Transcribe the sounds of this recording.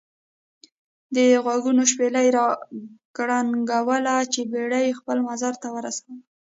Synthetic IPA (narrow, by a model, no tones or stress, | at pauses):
d̪əɣwaɡunoʃpelajɾɑɡ̥ɽaŋɡawəlat͡ʃebeɽajexpəlmazaɾt̪awəɾasawi